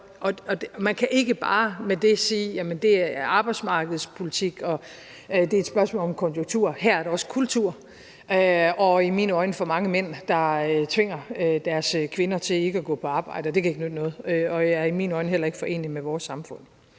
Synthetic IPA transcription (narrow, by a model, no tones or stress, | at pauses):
ʔɒ̽ɒ̥̽mænkʰæʔe̝ɡ̥əb̥ɑ̈ːmed̥e̝siːjæmənd̥e̝æʔɑ̈ːb̥ɑ̈ɪ̥smɑ̈ːɡ̥əð̞̩ˠspʰo̝lit͡sʰiɡ̥ɒ̽ | d̥e̝ed̥sb̥ɶɐsmɔ̰ːlɒ̽mkʰɒ̽njoŋt͡sʰuɐ̰hæɐ̰æɐɾeɒ̽sə̥kʰult͡sʰuɐ̰ | ɒ̽imiːnɒ̽ɪnəfɒmɑ̈ŋəmen̰d̥ɑ̈øt͡sʰʋe̝ŋ̰ɐd̥æɐskʰʋe̝nɐt͡sʰe̝e̝ɡ̥əæɡ̥ɔ̰̽ːpʰɒ̽ɑ̈ːb̥ɑ̈ɪ̰d̥əɒd̥e̝kʰæe̝ɡ̥nød̥nɔ̽ːð̩ˠøɒ̽jɑæɐimiːnɒ̽ɪnəɦel̰ɐe̝ɡ̥fɒ̽ʔe̝̰ːnimeʋɒːsːɑ̈mfɔ̽n̰